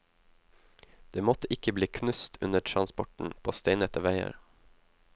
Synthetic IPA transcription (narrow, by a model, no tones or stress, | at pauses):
d̪̥eːmɔt̪əʔɪkəbliːkʰnʉst̪ʰʉnəʈʰɾɑnspɔʈɳ̩pʰoːst̪eɪnəɛt̪əʋæɪə̰ɾ